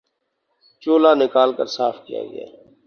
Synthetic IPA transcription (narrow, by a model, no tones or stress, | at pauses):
t͡ʃoːlaːnɪkaːlkəɾsaːfʰkija̰ːɡɪ̰ja̰ː